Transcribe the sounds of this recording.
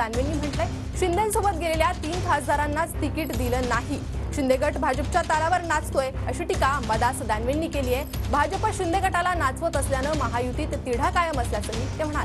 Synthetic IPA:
anʋenːiːm̤əɳʈ̪le | ɕind̪ənsobət̪̚ɡʱeleljat̪iːnfʰad͡zd̪aɾanːat͡st̪ikiʈd̪iləːnaɦi | ɕind̪eɡəʈbʱad͡ʑəp̚t͡ɕjat̪alaʋəɾnat͡st̪ojəɕiːʈikabəd̪asd̪anʋenːiːkeliːjebʱad͡ʑəpəɕind̪eɡəʈalanat͡sʋət̪əsljanəməɦajut̪iːt̪ːiɽ̤akajəməsljasəɦit̪em̤əɽ̃al

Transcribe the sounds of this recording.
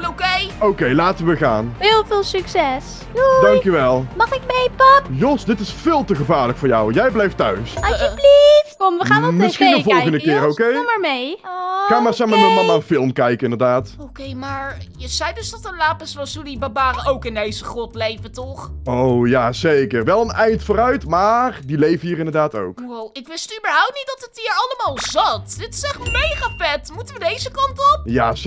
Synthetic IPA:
okejowkejlaːtəʋəɣa̰ːnɦɪːlˠvɪːlˠsyksɛs | dɑŋkjyʋɛlˠmɑχɪk̚mejpɑpjɔsdɪtɪsfɪːlˠtəɣəvaːɹləkfʊːɹjɔwjɛjblɛjftœɥsaəblifkɔmʋəχaːnmɪsxinnəvɔlˠjχəndəkɪːɾowkejmaːɹmejɔkɑjmaːɹsɛmaːnɔmɑlˠaːənfɪlˠmkɛjkəɪndərdaːtowkejmaːɹjəz̥ɛjdʏsdɑtənlaːpəsʋɑsjulibabaːrəʔowkɪndejzəχrɔtlejvətɔχowjaːz̥ejkərʋɛlˠənɛjntfʊːɾœɥtmaːrdilejvəhiːɾɪndərdaːto̰wkwowɪkʋɪsttybəɹɦɔwp̚tnit̚dɑtətɦiːɹɑləmaːlˠzɑtd̥ɪtɪ̥sɛχtmejχaːfɛtmutəʋədejzəkɑntɔp̚ja

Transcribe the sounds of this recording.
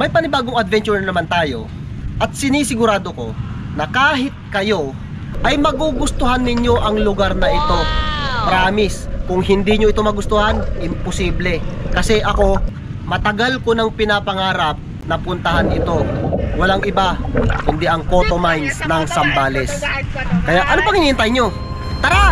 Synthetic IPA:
mɐjpɐnɪbaːɡoŋɐd̪vɛnt͡ʃʊɾnɐmant̪aːjo̞ | ʔɐt̪̚sɪniːsɪɡʊɾaːd̪oko̞ | nɐkaːɦɪt̪̚kɐjo̞ | ʔɐjmɐɡuɡʊst̪ʊɦanːɪɲjo̞ʔɐŋlʊɡaɾnɐʔɪt̪o̞pɾaːmɪskʊŋɦɪnd̪iɲoɪt̪o̞mɐɡʊst̪ʊhanʔɪmpʊsiːblɛkɐsɛʔɐko̞ | mɐt̪ɐɡalkonɐŋpɪnapɐŋaːɾɐp̚ | nɐpʊnt̪ɐhanʔɪt̪o̞wɐlaŋɪbakʊnd̪ɛʔɐŋkot̪omajnsnɐŋsɐmbaːlɛskɐjaʔɐnopɐŋʔɪniːɪnt̪ajɲo̞ | t̪ɐɾa

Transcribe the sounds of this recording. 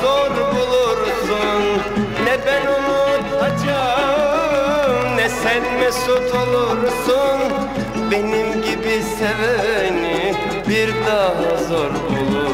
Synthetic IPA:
zoɾbulˠuɾsun | nɛbɛnonut̪at͡ʃʰa | mnɛsænmɛsut̪ʰolˠuɾsun | benimɟibisevɛjni | biɾd̪aːɦazoɾbulˠu

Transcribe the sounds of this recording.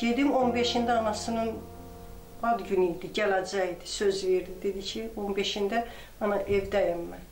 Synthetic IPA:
ɟ̥e̞d̪imo̞nbeʃind̪æɑnɑsɯnɯn | ɑd̪ɟynid̪iɟælæd͡ʒæid̪isøzveɾd̪id̪e̞d̪icʰionbeʃind̪æ | ɑnɑʔevd̪æjæmːæ

